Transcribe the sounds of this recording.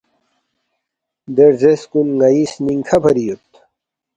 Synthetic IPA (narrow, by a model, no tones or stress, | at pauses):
d̪eɾzeskunŋɐisniŋkʰɐbʰʱɐɾijot̪